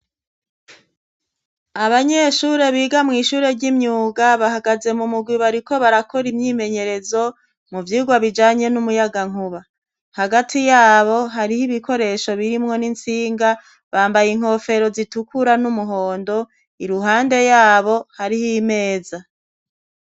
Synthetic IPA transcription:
aβaɲe̞ʃuɾe̞βiːɡamŋiːʃuːɾe̞ɾɟimɲuːɡaβaɦaɡaze̞mumuɡwiβaɾiko̞βaɾakʰo̞ɾimɲiːme̞ɲe̞ɾe̞zo̞ | muvjiːɡwaβid͡ʒaːɲe̞numujaɡaŋ̥uβa | haɡatʰijaːβo̞ɦaɾihiβiko̞ɾe̞ʃo̞βiɾimŋo̞nint͡siːŋɡa | βaːmbajiŋ̥ho̞ːfe̞ɾo̞zitukʰuɾanumuɦo̞ːndo̞ | iɾuɦaːnde̞jaːβo̞haɾihime̞ːza

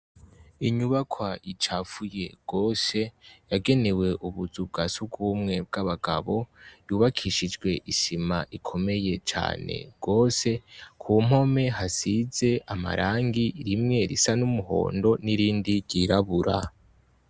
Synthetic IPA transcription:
iɲuβakʰwait͡ʃafuje̞ɡ̥o̞ːse̞jaɡe̞ne̞we̞ʔuβuzub̚ɡasubɡuːmŋe̞b̚ɡaβaɡa̰βo̞juːβakʰiʃid͡ʒɡwe̞ʔiʃimaʔikʰo̞me̞je̞t͡ʃa̰ːne̞̰ɡ̥o̞ːse̞kʰum̥ho̞me̞ɦasize̞ʔama̰ɾʔaːŋɡiɾimŋe̞ɾisanumuɦo̞̰ːndo̞niɾiːndiɾɟiɾaβuɾa̰

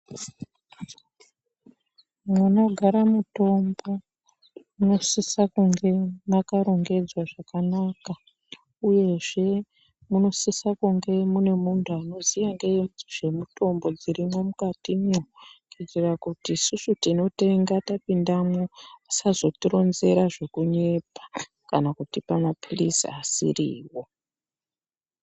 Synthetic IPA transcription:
muno̞ɡʱaɾamuto̞mbo̞ | muno̞sisakuŋɡe̞makaɾo̞ŋɡe̞d͡zwaʐakanaka | uje̞ʐe̞ | muno̞sisakuŋɡe̞mune̞muntʰuano̞zijaŋɡeʐe̞muto̞mbo̞d͡ziɾimwo̞mukatimokitirakutiːsusutino̞te̞ŋɡatapindamoasazo̞tiɾo̞nze̞ɾaʐe̞kuɲe̞pḁ | kanakutipamapilisḭasḭrḭːwo

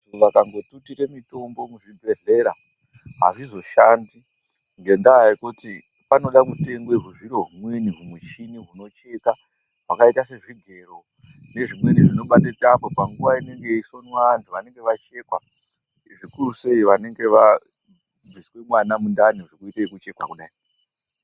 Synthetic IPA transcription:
ʋakaŋɡo̞tutiɾe̞mito̞mbo̞muʐibʱe̞ɮe̞ɾa | ɦa̰ʐizo̞ʃandi | ŋɡe̞ndaːikuti | pano̞ɗakute̞ŋɡweɦuʐiɾoɦumweniɦumut͡ʃiniɦuno̞t͡ʃe̞ka | ɦakaitase̞ʐiɡʱe̞ro̞ | ne̞ʐimwe̞niʐino̞ɓatetapopaŋɡuʋaine̞ŋɡe̞isonwantʰuʋane̞ŋɡe̞ʋat͡ʃe̞kwa | ʐikuruse̞iʋane̞ŋɡe̞ʋa | d͡ziswe̞mwanamundaniʐokuiteikut͡ʃe̞kwa̰kuɗai

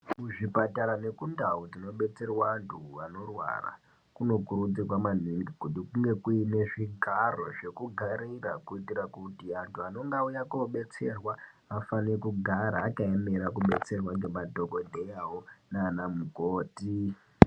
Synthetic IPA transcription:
muʐipataɾane̞kundaud͡zino̞ɓe̞t͡se̞rwaːntʰuano̞rwa̰ra̰ | kuno̞kuɾud͡zikwaman̤iŋɡikutikuŋɡe̞kuine̞ʐiɡʱaro̞ʐe̞kuɡʱaɾirakuitiɾakutiantʰuano̞ŋɡaujakoɓe̞t͡se̞rwa | afanekuɡʱaɾaːkaemeɾakuɓe̞t͡se̞rwaŋɡemadʱo̞ɡo̞dʱe̞jawo̞naːnamukoːti

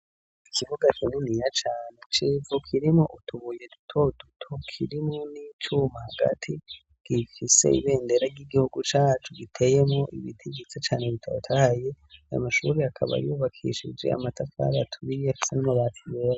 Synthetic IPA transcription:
ikʰiβuɡakʰininijat͡ʃaːnet͡ʃivokʰiɾimoʔutʰuβuje̞du̥tʰo̞dutʰokʰiɾimonit͡ʃumahaɡa̰tʰi | ɡ̥ifise̞̰ḭβe̞ːndeɾaɟiɡihuɡut͡ʃaːt͡ʃuɡitʰe̞je̞mŋoʔḭβitʰiβɡit͡set͡ʃaːneβitʰaɾotʰahaje̞ | ajo̰maʃṵɾiakʰa̰βa̰juβakʰḭʃḭd͡ʒḛa̰matafa̰ːɾaatʰuβiafi̥senimoβatʰiβeːɾa

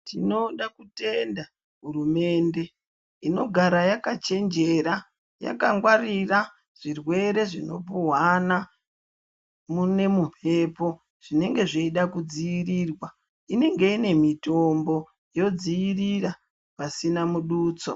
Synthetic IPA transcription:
tino̞ɗakute̞nda | ɦurume̞ːnde̞ | ino̞ɡʱaɾajakat͡ʃe̞nd͡ʒe̞ɾa | ja̰kaŋɡwarira | ʐ̥irwe̞ɾe̞ʐino̞̰puwana | mune̞mum̥̤e̞ːpo | ʐ̥ine̞ŋɡe̞ʐeiɗakud͡ziiriːrwa | ine̞ŋɡe̞ine̞mito̞mbo̞ | jo̞d͡ziirira | pasinamuɗuːt͡so

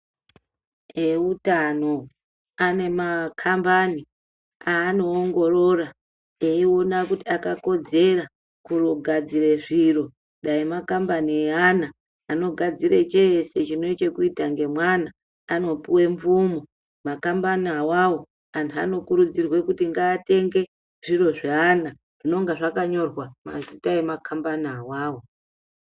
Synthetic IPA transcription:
eutano̞ | ane̞makʰambani | aːno̞ːŋɡo̞rora | eio̞nakutiakako̞d͡ze̞ra | kuroɡʱad͡zire̞ʐiro̞ | ɗaimakambanieanaː | no̞ɡʱad͡zire̞t͡ʃese̞t͡ʃine̞t͡ʃe̞kuitaŋɡe̞mwanaː | no̞puwe̞ɱvumo | makambaniawawo | antʰua̰no̞kuɾud͡zirwe̞kutiŋɡaːte̞ŋɡe̞ | ʐ̥iro̞ʐeana | ʐ̥ino̞ŋɡaʐakaɲo̞rwama̰zitaemakʰambaniawaːwo̞

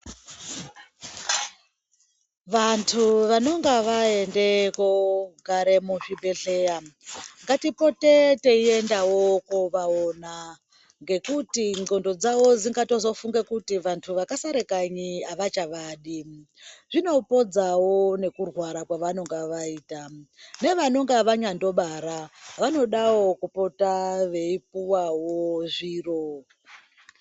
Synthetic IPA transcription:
ʋantʰuʋano̞ŋɡeʋae̞nde̞koɡʱaɾe̞muʐibʱe̞ɬe̞aŋɡatipo̞tete̞ie̞ndawo̞koʋaona | ŋɡe̞kutiŋɡo̞ndo̞d͡zawo̞d͡ziŋɡato̞zo̞fuŋɡekutiʋantʰuʋakasaɾekaɲiaʋat͡ʃaʋaːɗi | ʐino̞po̞d͡zawo̞ne̞kurwaɾakwaʋano̞ŋɡaʋaiːtane̞ʋano̞ŋɡaʋaɲando̞ɓaɾaʋano̞ɗawo̞kupo̞taʋe̞ip̚uwawoʐiːro

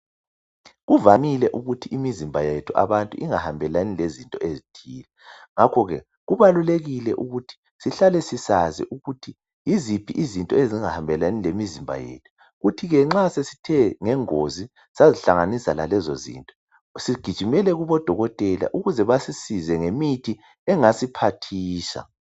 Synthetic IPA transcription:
ɣuvamilɛʔuɣutʰiʔimizimbʱajetʰuʔa̰βantʼuʔiŋahambʱɛlanilezintʼɔezitʰiːlɛŋakʰɔɣɛ | ɣuβaluleɣilɛʔuɣutʰi̥ | siɬalɛsisazḭʔuɣutʰi | jizipʰiʔizintʼɔeziŋahambʱɛlanilemizimbʱa̰jḛtʰu̥ | ɣutʰiɣɛŋ͡ǁasesi̥tʰɛŋɛŋozi | saziɬaŋanisala̰lɛzozḭntʼɔ | siɡ̥ʱid̥ʒ̥ʱimɛlɛɣuβɔd̥ʱɔɣɔtʼɛla̰ʔuɣuzɛβasisizɛŋemitʰi | ɛŋasipʰatʰiːʃa̰

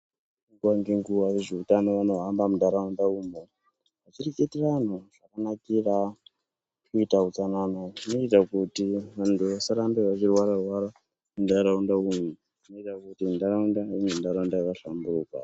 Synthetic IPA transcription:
iŋɡwaŋɡeŋɡuʋajeʐeutanoʋano̞ɦambamudʱaɾaundauːmo | ɦat͡ʃireketeran̤oʐ̥akanakira | kuitaut͡sananonoitakutiʋantʰuʋasaɾambeʋat͡ʃirwaɾarwaɾa | mudaɾaundaumo | inoitakutimudaɾaundaumemundaɾaundajakaɬamburuːka̰

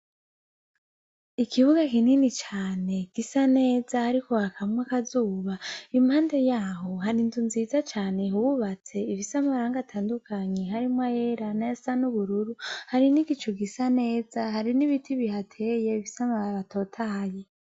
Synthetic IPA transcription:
ikʰiβuɡakininit͡ʃaːne̞ɡ̥isane̞ːzahaɾiko̞hakamŋwakazuːβaimhaːnde̞jaːɦo̞ɦaɾinzunzizat͡ʃaːne̞ɦuβuβat͡se̞ivisamaɾaːŋɡatʰaːndukʰaɲehaɾimwajeɾanajasanuβuɾuɾuhaɾiniɡit͡ʃuɡisane̞ːzaɦaɾiniβitʰiβihatʰe̞je̞iβisamaβaβato̞ːtʰahaje

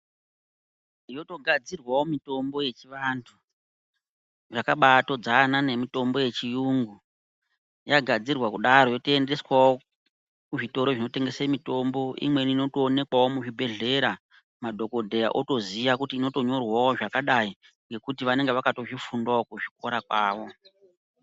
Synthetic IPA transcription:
ijo̞to̞ɡʱad͡zirwawo̞mito̞mbo̞je̞t͡ʃiʋantʰu | ʐakaɓato̞d͡zanane̞mito̞mbo̞je̞t͡ʃijuŋɡu | jaɡʱad͡zirwakuɗaɾo̞jo̞tie̞nde̞swao | kuʐito̞ɾo̞ʐino̞te̞ŋɡe̞semito̞mbo̞ʔḭmwe̞nino̞toːne̞kwawo̞muʐibʱe̞ɮe̞ɾa | madʱo̞ko̞dʱe̞ja̰ʔo̞to̞ziʋakutiːno̞to̞ɲo̞rwaoʐakaɗai | ŋɡe̞kutiʋane̞ŋɡeʋakato̞ʐifundaokuʐiko̞ɾak̚waːʋo̞

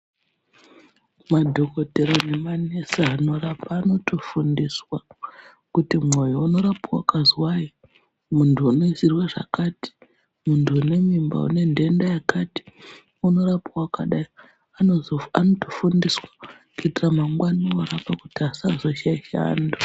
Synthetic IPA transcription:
madʱo̞ko̞te̞ɾo̞ne̞mane̞saano̞rapʰaːno̞tofundiswa | kutimŋo̞jouno̞ɾapawa̰kazwaji | muntʰuːno̞izirwaʐa̰kaːti̥ | muntʰuːne̞mimba̰ṵne̞nde̞ndajakati̥ | uno̞rapawakaɗai | anoanotofundiswḁ | kuitiramaŋɡwanioɾapakutiasazo̞ʃaiʃa̰ːndo

